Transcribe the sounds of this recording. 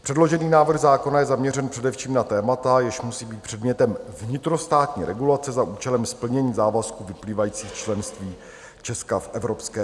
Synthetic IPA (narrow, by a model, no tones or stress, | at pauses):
pr̥ɛdlo̞ʒɛniːnaːvr̩ɣzaːko̞najɛzamɲɛrɛnpr̥ɛdɛfʃiːmnat̪ɛːmat̪ajɪʃmusiːbiːt̪pr̝̥ɛdmɲɛt̪ɛmvɲɪt̪ɾo̞st̪aːt̪ɲḭːɾɛɡulat͡sɛzaʔuːt͡ʃɛlɛmspl̩ɲɛɲiːzaːvaskuvɪpliːvajiːt͡siːxt͡ʃlɛnst̪viː | t͡ʃɛskafʔɛvɾo̞pskɛː